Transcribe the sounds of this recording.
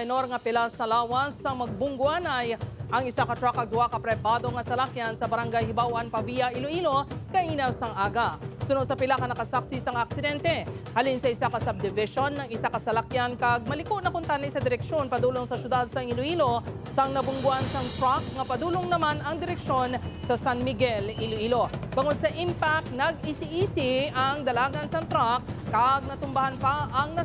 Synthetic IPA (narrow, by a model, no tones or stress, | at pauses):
no̞ɾŋɐpɪlasɐlaːwɐsːɐŋmɐɡ̚bʊŋɡʊʔanɐjʔɐŋɪsakɐt̪ɾakɐɡ̚d̪ʊwakɐpɾɛbaːd̪o̞ŋɐsɐlakjansɐbɐɾɐŋɡajhɪbawɐnpɐvijɐʔiloʔiːlo̞kɐʔiːnɐwsɐŋʔaːɡɐsʊnod̪sɐpɪlakɐnɐkɐsaksɪɪsaŋɐk̚sɪd̪ɛnt̪ɛhɐlinsɐɪsakɐsɐb̚d̪ɪvɪʃonːɐŋɪsakɐsɐlɐkjankɐɡ̚mɐlɪkoʔnɐkʊnt̪ɐnɐʔɪsad̪ɪɾɛkʃo̞npɐd̪uːloŋsɐʃjʊd̪ad̪̚sɐŋɪloʔiːlo | sɐŋnɐbʊŋɡʊʔansɐŋt̪ɾak̚ŋɐpɐd̪uːloŋnɐmanɐŋd̪ɪɾɛkʃo̞nsɐsanmɪɡɛliloʔiːlo̞bɐŋod̪̚sɐʔimpak̚t̪̚nɐɡɪsɪʔiːsɪʔɐŋd̪ɐlaːɡɐnsɐnt̪ɾak̚ːɐɡ̚nɐt̪ʊmbɐhanpaʔɐŋnɐ